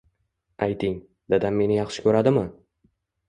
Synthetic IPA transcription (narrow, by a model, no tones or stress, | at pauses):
ajt̪ʰɪŋ | d̪ad̪amme̞nɪjɑχʃɪ̥kʲʰɵɾad̪ɪmɪ